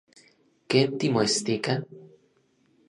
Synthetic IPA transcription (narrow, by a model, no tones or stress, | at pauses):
kent̪imoest̪ikan